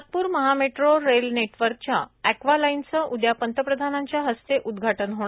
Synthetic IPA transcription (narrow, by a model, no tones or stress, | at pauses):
at̪̚puːɾməɦameʈɾoɾelneʈʋəɾk̚t͡ɕjaækʋalaint͡səʔud̪japənt̪əpɾəd̪ʱanaɲt͡ɕjaɦəst̪eʔud̪ɡʱaʈənɦõa